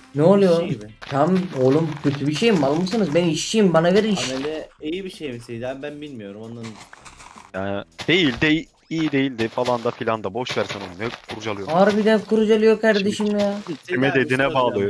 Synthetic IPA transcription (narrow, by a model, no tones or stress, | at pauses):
nɛolˠujot̪ʰamolˠumcʰøt̪ʰybiʃejimbalˠmɯsɯnɯzbeniiʃijimbanaɡeɾiiʃlɛijibiʃejmisejd̪æbænbilʲmijo̞ɾumand̪an | jaːnid̪̥e̞jilʲd̪ɛ | iːd̪e̞jilʲd̪ɪfalˠand̪afilʲand̪abo̞ʃvæɾsɛnonujɛkʰuɾud͡ʒalˠɯjoaɾbid̪ænkuɾud͡ʒalˠɯjo̞kʰaɾd̪eʃimijatʰimɛd̪ed̪inɛbaːlˠɯ